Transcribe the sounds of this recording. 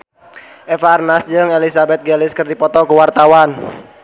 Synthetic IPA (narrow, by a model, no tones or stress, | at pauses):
ʔɛfarnasd͡ʒɨŋelisabɛt̪̚ɡɛlɪskərdipɔt̪ɔkuwart̪awan